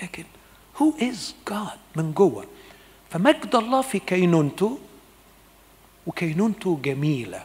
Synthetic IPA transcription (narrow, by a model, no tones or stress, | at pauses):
læːkɪn | huːʔɪzɡ̥ɑːd̪̥̚mɪnɡowːæ̰ | fæmæɡd̪ʔɑlˤːɑːfikæjnuːnt̪ʊ | wɪkæjnuːnt̪ʊɡæmiːlæ̰